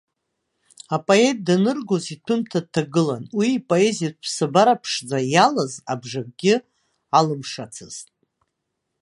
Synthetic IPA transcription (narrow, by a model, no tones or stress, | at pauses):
apʼoe̞t̚ʼdanɨrɡozitʰɨntʰad̚tʰːaɡɨlanwiːpʼo̞e̞zijat̚pʰsɨbaɾapʰʂd͡zajalazabʐak̚ʼɡʲɪ | alɨmʂat͡sʰɨz̥tʼ